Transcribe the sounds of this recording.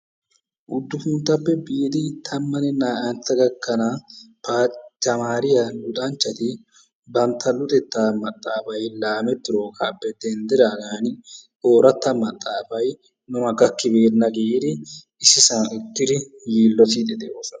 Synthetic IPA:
ʔʊd̪ːʊfʊnt̪ɐpːɛbiːd̪ɪt̪ʰɐmːɐnɛnaːʔɐnt̪ːɐɡɐkːɐna | paːt͡ʃːɐmaːɾɪjɐlʊt̪ʼɐnt͡ʃːɐt̪ɪ | bɐnt̪ʰɐlʊt̪ʼɛt̪ːɐmɐt̪ʼːaːfɐjlaːmɛt̪ːɪɾo̞ːkʼaːpːɛd̪ɛnd̪ɛɾaːɡaːnɪ | o̞ːɾɐt̪ːɐmɐt̪ʼːaːfɐj | nʊmɐɡɐkːɪbeːɾnɐɡid̪ɪ | ɪsɪsɐnʔʊtːɪd̪ɪ | jiːlːɔt̪id̪ɛd̪ɛʔoːsɐ

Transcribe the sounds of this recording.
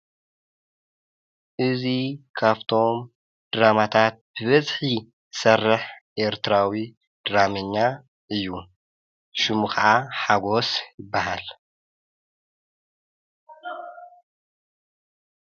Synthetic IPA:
ʔɨzikʰaβt̪ʰo̞m | d̪̥ɨɾamat̪ʰat̪̚b̥ɨβɐzʼħi | sɐrːɨħʔe̞ɾt̪ɨɾawi | d̪̥ɨɾamɐɲːa | ʔɨjːu | ʃumukaʕaħaɡo̞sjɪbːahal

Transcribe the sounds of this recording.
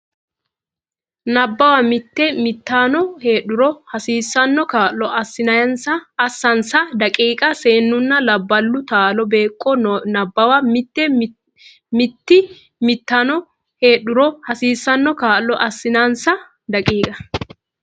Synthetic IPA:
nɐbːɐwɐmɪt̪ːɛmɪt̪ːaːnɔhe̞ːɗʊɾɔhɐsiːsːɐnːɔkaːlːɔʔɐsːɪnɐjɐnsɐːsːɐnsɐd̪ɐkʼiːkʼɐseːnːʊnːɐlɐbːɐlːʊt̪aːlɔbe̞ːkʼːɔnɐbːɐwɐmɪt̪ːɛ | mɪt̪ːɪ | mɪt̪ːanɔ | heːɗʊɾɔhɐsiːsːɐnːɔkaːlːɔʔɐsːɪnansɐ | d̪ɐkʼiːkʼɐ̥

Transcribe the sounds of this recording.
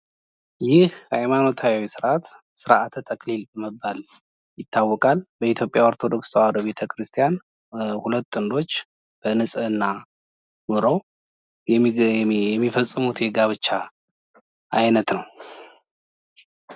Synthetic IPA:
jɪhhajmano̞t̪ʰawwisɨɾʔat̪ | sɨɾʔat̪ʰt̪ʰəklilbəməbːal | jɪt̪ʰːawːɔkʼalbəit̪ʰjo̞pʼjawaɾt̪ʰo̞d̪o̞kswaɾβbe̞t̪ʰəkʰɾɨst̪ʰijan | hulət̪ːɨnd̪o̞t͡ʃː | b̥ənɨsʼɨɨnːa | mɨɾəw | ɛmːifəsʼːɨmut̪jɛɡaβɨt͡ʃːa | ʔajnət̪nəw

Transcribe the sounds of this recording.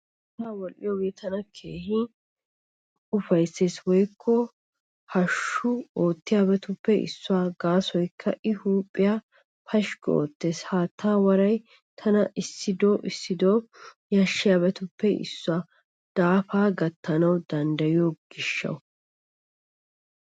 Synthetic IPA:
taːwɔlʔɪ̰joːɡeːt̪ʰɐnɐkʰe̞ːhɪ | ʊfɐjsːeːswɔjkʰːɔ | hɐʃːʊoːt̪ːɪjaːbɛt̪ʊpːɛʔɪ̰sːʊaːɡaːsɔjkʰːɐʔɪhuːpʼːɪja | pʰɐʃko̰ːt̪ːe̞ːshaːt̪ʰːaːwɐɾɐj | t̪ʰɐnɐʔɪsːɪd̪o̞ːʔɪsːɪd̪oːjɐʃːɪjaːbɛt̪ʊpːɛʔɪ̰sːʊaː | d̪̥aːfaːɡɐt̪ːɐnɐwd̪ɐnd̪ɐjɪjoɡ̥ɪʃːɐ̰w

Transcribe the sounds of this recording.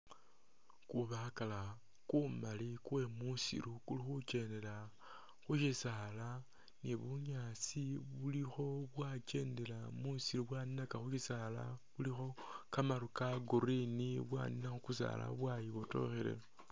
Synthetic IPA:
kuβakala | kumalikuwe̞musḭɾukulixut͡ʃe̞nde̞la | xuʃisala | niβuɲat͡siβulixo̞βwat͡ʃe̞ːnde̞lamusiɾuβwaninakaxuʃisala̰βulixo̞kamaɾukaɡuɾiniβwa̰ninaxukus̬a̰ːla̰βwajiβoto̞̰xelḛ

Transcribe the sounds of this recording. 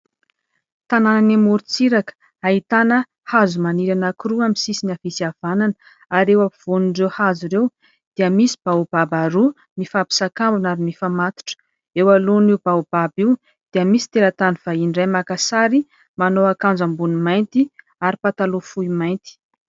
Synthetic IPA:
t̪anananamuɾut͡siɾakə̥ | ait̪anə | hazumaniɾanakuruamisisinafisiav̥ananə | aɾewav̥onuɳɖ͡ʐewhazuɾew | d̪̥iəmisi̥b̥aub̥abaɾu | mifabi̥sakambunaɾimifamat̪u̥ʈ͡ʂə̥ | ewaloniub̥awb̥abiw | d̪̥iəmisi̥t̪elat̪aniv̥ainɖ͡ʐajmakasaɾi | manoakand͡zambunumajnt̪i | aɾipat̪alofuimajnt̪i̥

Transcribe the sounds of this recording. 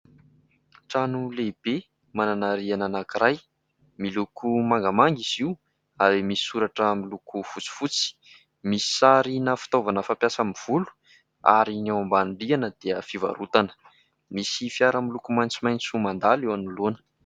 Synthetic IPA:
ʈ͡ʂanuleb̥e | mananaɾiananakiɾaj | milukʰumaŋɡamaŋɡiziw | aɾimisi̥suɾaʈ͡ʂəmilukufut͡si̥fut͡si̥ | misi̥saɾinəfi̥t̪ovanəfampjasəmiv̥ulu̥ | a̰ɾinawambanɖ͡ʐianəd̪̥eəfiva̰ɾut̪anə̥ | misifiaɾəmilukumajnt͡simajnt͡sumand̪alewanuluanə̥

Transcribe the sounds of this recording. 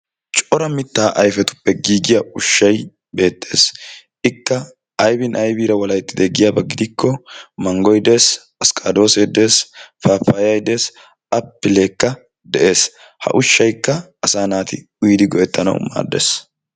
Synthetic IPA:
t͡ʃʼɔɾɐmɪt̪ːaːʔɐjfɛt̪ʊ̥pːɛɡiːɡɪjɐʊʃːɐj | be̞ːt̪ʰʼːe̞ːs | ɪkːɐ | ɐjbɪnʔɐjbiːɾɐwɐlɐjt̪ːɪd̪ɛɡɪjaːbɐɡɪd̪ɪkːɔmɐŋɡɔjd̪e̞ːs | ɐskʼɐd̪o̞ːsed̪e̞ːsfaːfaːjɐjd̪eːs | ɐpːɪleːkːɐ | d̪ɛʔe̞ːs | hɐ̰ʔʊʃːɐjkːɐːsaːnaːt̪ɪ̰ | ʊjd̪ɪɡɔʔɛt̪ːɐnɐ̰wma̰ːd̪ːḛːs

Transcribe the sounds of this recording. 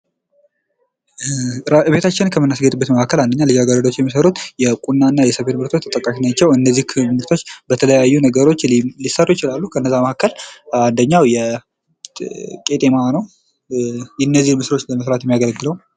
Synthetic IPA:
ɾɨβe̞t̪ʰat͡ʃːɪnkʰəmːɨnːasɡət̪ʼɨbːət̪məʔakːəland̪əɲːalɨd͡ʒaɡaɾəd̪ot͡ʃːjɛmːisəɾut̪jɛkʼunːanːajɛsəβet̪mɨɾt̪ʰo̞t͡ʃt̪ʰət̪ʼəkʼːaʃnat͡ʃːɛwɨnːəzːihkʰmɨɾt̪ʰo̞t͡ʃːbət̪ʰələjajːunəɡəɾo̞t͡ʃːlisərːujɪt͡ʃɪlalːukʰəɨnːəzːaməʔkːəland̪əɲːawjɛ | kʼe̞t̪ʼemanəw | jɛnːəzːihmɨsɾo̞t͡ʃːləməsɾat̪jɛmːijaɡəlɡɨləw

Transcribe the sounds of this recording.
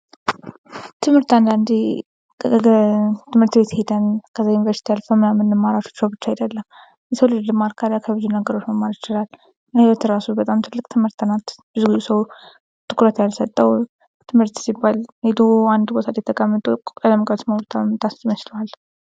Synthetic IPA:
t̪ʰɨmhɨɾt̪and̪and̪i | t̪ʰɨmhɨɾt̪be̞t̪he̞d̪ənkʰəzːajunivəɾsi̥t̪ʰijalfəmɨnamːɨnːɨmːaɾat͡ʃo̥t͡ʃːəwbɨt͡ʃːajd̪əlːəm | jɛsəwlɨd̪ɨmaɾkʰaɾjakʰəβɨzunəɡəɾo̞t͡ʃːməmːaɾɪt͡ʃɪlal | jhbət̪ʰɨɾasubət̪ʼamt̪ʰɨlːɨkʼt̪ʰɨmhɨɾt̪ːənat̪bɨzɡuzusəw | t̪ʼɨkʼuɾət̪jalsət̪ʼːəw | t̪ʰɨmhɨɾt̪sibːalhed̪uand̪bot̪ʰad̪ɛt̪ʰːəkʼamːət̪ʼuələmkʼat̪məwɾt̪ʰamt̪ʰʼast̪mət͡ʃləwal

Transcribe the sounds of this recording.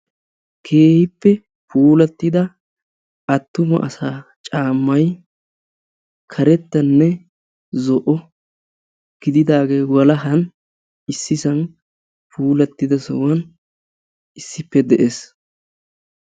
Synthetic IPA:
kʰeːhɪpːɛ | puːlɐt̪ːɪd̪ɐ | ʔɐt̪ːʊmɐ̰ʔɐsaːt͡ʃʼaːmːɐj | kʰɐɾɛt̪ːɐnːɛ | zɔʔɔ | ɡ̥ɪd̪ɪd̪aːɡe̞ːwɐlɐɦɐn | ɪsːɪsɐn | pʰuːlɐt̪ːɪd̪ɐsɔ̰wɐn | ɪsːɪpːɛd̪ɛʔes

